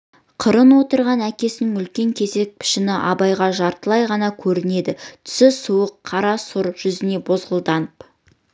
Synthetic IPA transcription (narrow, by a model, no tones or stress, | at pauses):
qʰəɾənwo̞t̪əɾʁɑnækʲe̞sɪnɪŋʏlkʲe̞ŋkʲʰe̞ze̞k̚pʰɪ̥ʃɪnɪʔɑbɑjʁɑʒɑɾt̪əlˠɑjʁɑnɑkʲʰɵɾɪne̞d̪ɪt̪ʰʏ̥sɪsuwəqʰːɑɾɑsʊɾʒ̥ʏzɪne̞bo̞zʁəlˠd̪ɑnəp